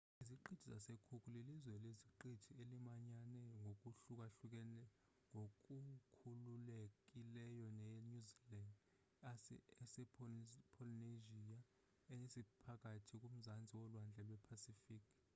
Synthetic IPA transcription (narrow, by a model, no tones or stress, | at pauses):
iziǃid̥tʰiza̰sekʰukʰʼulilizwɛleziǃi̥tʰielimaɲanɛŋʱok̬ʼuɬuk̬ʼaɬuk̬ɛnɛ | ŋʱok̬ʼukʰululek̬ʼilɛjɔnɛnuziland | sɛpʰɔlineʒia | ɛesipʰak̬ʼatʰik̬ʼum̩zand͡zʱiwɔlwand͡ɮʱɛlwɛpʰasifiːkʰ